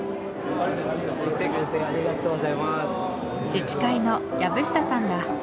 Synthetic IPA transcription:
aɾit̪enamiakoɯt̪ːekʲisd̪eaɾʲiɡat̪oːɡozaimas | d͡ʑit͡ɕi̥kaino̞jabɯ̟ɕi̥t̪asãŋɡa

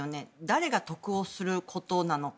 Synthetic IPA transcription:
one̞d̪aɾe̞ɡat̪o̞kɯ̟o̞sɨɾɯ̟kʰo̞t̪o̞nano̞

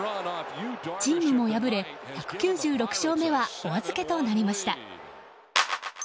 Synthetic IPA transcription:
d͡ʑĩɲimo̞jabɯ̟ɾe̞çakɯ̟̥kʲɨːʑɨːɾo̞kɯ̟̥ɕo̞ːme̞βaoβazɨke̞t̪o̞naɾʲimaɕi̥t̪a

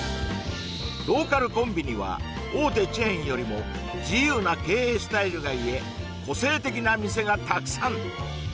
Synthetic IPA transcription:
ɾo̞ːkaɾɯ̟kõ̞mbʲiɲ̟iβa̰ | oːt̪e̞t͡ɕiẽĩjo̞ɾʲimo̞ | d͡ʑijɯ̟ːnake̞ːeːsɨ̥t̪aiɾɯ̟ɡaie̞ | ko̞se̞ːt̪e̞kʲinamʲise̞ɡat̪akɯ̥sãŋ

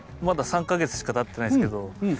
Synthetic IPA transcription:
mad̪asãŋkaɡe̞t͡sɨ̥ɕi̥kat̪at̪ːe̞naisked̪o̞

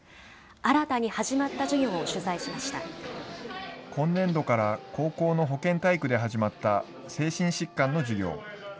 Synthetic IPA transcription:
aɾat̪aɲ̟ihaʑimat̪ːaʑiɡʲo̞ːoɕɨzaiɕimaɕi̥t̪a̰ | kʰõ̞nːẽ̞nd̪o̞kaɾako̞ːko̞ːno̞ɦo̞kẽ̞nt̪aikɯ̟d̪e̞ɦaʑimat̪ːa | se̞ːɕĩɰ̃ɕikːãnːo̞ʑiɡʲo̞̰ː

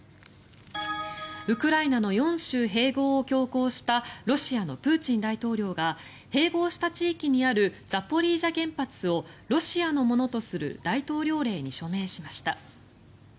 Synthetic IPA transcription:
ɯ̟kɯ̟ɾainano̞jõ̞ɰ̃ɕɨːɦe̞ːɡo̞ːkʲo̞ːko̞ːɕi̥t̪aɾo̞ɕiano̞pɯ̟ːt͡ɕĩnd̪ait̪o̞ːɾʲo̞ːɡa | he̞ːɡo̞ːɕi̥t̪at͡ɕiːkʲiɲ̟iaɾɯ̟d͡zapːo̞ɾʲiːʑaɡẽ̞mpat͡sɨo̞ɾo̞ɕiano̞mo̞no̞t̪o̞sɨɾɯ̟̰d̪ait̪o̞ːɾʲo̞ːɾe̞ːɲ̟iɕo̞me̞ːɕimaɕi̥t̪a

